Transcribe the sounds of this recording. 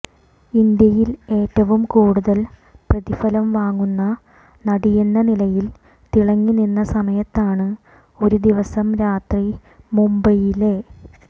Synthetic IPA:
ind̪jɐjile̞ːtːɐʋumkuːɽuðɐlprɐðifɐlɐmʋaːŋːunːɐ | nɐɽijenːɐnilɐjil | t̪iɭɐŋːininːɐsɐmɐjɐt̪ːaːɳɨ | o̞ɾud̪iʋɐsɐmɾaːt̪ri | mumbɐjile

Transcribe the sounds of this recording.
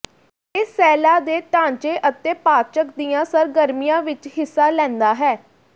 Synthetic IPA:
ɪsːɛːlaːd̪eːʈ̪ãːɲt͡ʃeːʔət̪eːpaːt͡ʃək̚d̪ijãːsəɾɡəɾmijãːʋɪt͡ʃɦɪsːaːlɛ̃ːnd̪aːɦɛː

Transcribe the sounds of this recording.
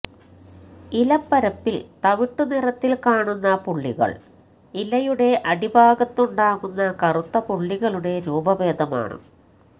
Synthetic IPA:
ilɐpːɐɾɐpːilt̪ɐʋiʈːunirɐt̪ːilkaːɳunːɐpuɭːiɣɐ̰ɭ | ilɐjuɽe̞ʔɐɽibʱaːɡɐt̪ːuɳɖaːɣunːɐkɐrut̪ːɐpuɭːiɣɐɭuɽe̞ɾuːbɐʋe̞ːd̪ʱɐma̰ːɳɨ̰

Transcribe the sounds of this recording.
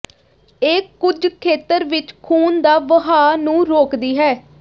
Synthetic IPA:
eːkːʊd͡ʒkʰeːt̪əɾʋɪt͡ʃkʰuːnd̪aːʋəɦaːnũːɾoːkd̪iːɦɛː

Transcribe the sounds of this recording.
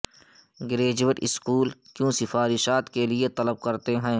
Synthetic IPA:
ɡɪɾeːd͡ʒʋəʈɪskuːlkjõːsɪfaːɾɪʃaːt̪keliet̪ɐləb̚kɐɾt̪eɦɛ̃ː

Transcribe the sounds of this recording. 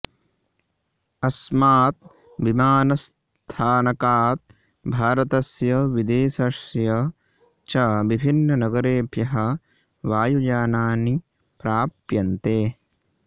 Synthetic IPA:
ɐsmaːt̪̚ | bimaːnɐs | t̪ʰaːnɐkaːt̪̚ | bʱaːɾɐt̪ɐsjɐʋid̪eːʃɐʂjɐ | t͡ʃɐʋibʱinːɐnɐɡɐɾeːbjɐɦɐ | ʋaːjud͡ʒaːnaːni | pɾaːpjɐnt̪eː

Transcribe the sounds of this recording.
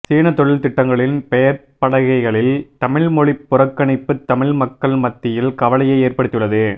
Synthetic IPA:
siːɳɐt̪ɔɭɪlt̪ɪʈːɐŋɡɐɭɪnpɛjɐɾ | pɐɽɐɣɐɪɣɐɭɪlt̪ɐmɪɭmɔɻɪpːʊɾɐkːɐɳɪpːɯt̪ːɐmɪɭmɐkːɐɭmɐt̪ːɪjɪlkɐʋɐlɐjɐɪeːɾpɐɽɯt̪ːjɯɭːɐðɯ

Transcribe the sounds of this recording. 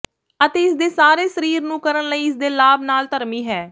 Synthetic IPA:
ət̪eːɪsd̪eːsaːɾeːsəɾiːɾnũːkəɾənləiːɪsd̪eːlaːbnaːlt̪əɾmiːɦɛː

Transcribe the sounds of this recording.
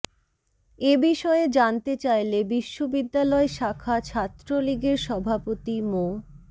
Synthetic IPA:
ebiʃɔed͡ʑant̪et͡ɕajlebiʃːobid̪ːalɔeʃakʰat͡ɕʰat̪ːɾoliɡeɾʃɔbʱapot̪imo

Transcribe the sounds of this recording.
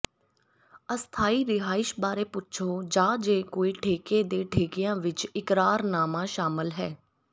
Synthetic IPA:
əst̪ʰaːiːɾɪɦaːɪʃbaːɾeːpʊt͡ʃʰoːd͡ʒãːd͡ʒeːkoːiːʈʰeːkeːd̪eːʈʰeːkɪjãːʋɪt͡ʃɪkɾaːɾnaːmãːʃaːmɪlɦɛː

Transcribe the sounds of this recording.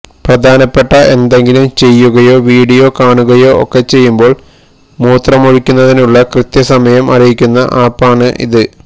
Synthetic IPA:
prɐd̪ʱaːnɐpːe̞ʈːɐʔe̞nd̪eŋɡilumt͡ɕe̞jːuɣɐjo̞ːʋiːɽijo̞kaːɳuɣɐjo̞ːo̰kːe̞t͡ɕe̞jːumbo̞ːɭ | muːt̪rɐmoɻikʲːunːɐðinuɭːɐkrɨt̪jɐsɐmɐjɐmɐrijikʲːunːɐʔaːpːaːɳɨʔḭðɨ

